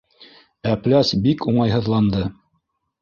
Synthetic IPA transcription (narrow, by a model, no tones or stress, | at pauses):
æplæsbikuɴɑjɦɤ̆ðlˠɑnd̪ɤ